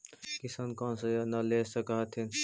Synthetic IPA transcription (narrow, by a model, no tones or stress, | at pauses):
kisaːnkɔ̃nsəjnɐlesəkəɦt̪ʰin